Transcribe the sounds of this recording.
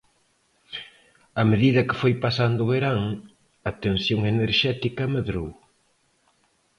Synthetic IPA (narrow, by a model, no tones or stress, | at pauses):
ɐmeðiðɐkɪ̥fojpasand̪ʊβeɾaŋ | ɐt̪en̟θjoŋeneɾʃɛt̪ikɐmeðɾow